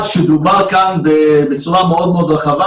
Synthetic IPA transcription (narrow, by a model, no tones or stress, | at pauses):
t̪ʃed̪ubaʁkanbebet͡suʁameod̪meod̪ʁeχava